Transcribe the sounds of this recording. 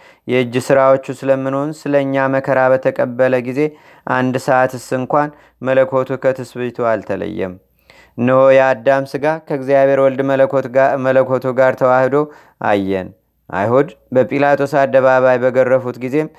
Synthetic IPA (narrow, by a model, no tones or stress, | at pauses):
jɛɨd͡ʒːsɨɾawo̞t͡ʃːusɨləmːɨnho̞nsɨləɨɲːaməkʰəɾabət̪ʰəkʼəbːələɡize̞ | ʔand̪səʔat̪ɨsɨɨŋkʷan | mələkʰo̞t̪ʰukʰət̪ʰɨsbɨt̪ʰualt̪ʰələ̰jːɛ̰m | nːɨho̞jɛad̪ːamsɨɡakʰəɡzijaβʱe̞ɾwɔld̪ | mələkʰo̞t̪ʰuɡaɾt̪ʰəwahd̪o̞ | ʔa̰jːɛn | ʔa̰jhud̪bəpʼilat̪ʰo̞sad̪ːəβaβajbəɡərːəfut̪ɡize̞m